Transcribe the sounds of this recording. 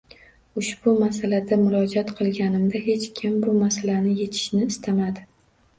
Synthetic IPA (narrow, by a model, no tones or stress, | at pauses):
ʊʃb̥ʊmasalad̪amʊɾɒd͡ʒɒt̪qʰɨlˠɡʲanɪmd̪aɦe̞t͡ʃkʲʰɪmbʊmasalanɪje̞t̪ʰɪ̥ʃnɪːst̪ʰamad̪ɪ